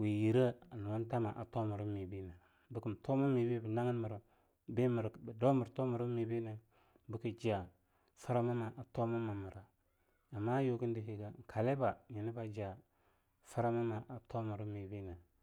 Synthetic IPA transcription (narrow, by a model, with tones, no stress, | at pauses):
wi˨ji˨ɾə˦a˨nu˨wa˦n˦ta˦ma˨ʔa̰˨to˦mu˨ɾi˦mi˨bi˦na˨ | bə˦kə˦m˨to˦mu˦mi˨bi˦bə˨na˦ŋə˦n˦mə˨ɾə˨ | bi˦mə˨ɾbə˨do˦mə˨ɾto˦mu˨ɾə˦mi˨bi˦na˨ | bə˦ki˨d͡ʒi˦a˨ | fə˦ɾa˦ma˦ma˨ʔa˨to˦mu˦ma˨mə˨ɾa˨ | a˨mːa˦jo˦ki˦n˦di˨ɦi˦ɡa˨ŋ̩˨kʰa˨le˦ba˨ɲi˨ni˦ba˦d͡ʒa˨ | fə˦ɾa˦ma˦ma˨ʔa˨tʰo˦mu˨ɾu˦mi˨bi˦na˨